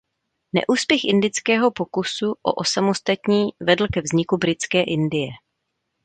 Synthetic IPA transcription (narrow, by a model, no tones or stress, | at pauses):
nɛ̰ʔuːspjɛxʔɪndɪt͡skɛːɦo̞po̞kusuʔo̰ʔosamo̞st̪at̪ɲiːvɛdl̩kɛvzɲɪkubɾɪt͡skɛːʔɪndɪjɛ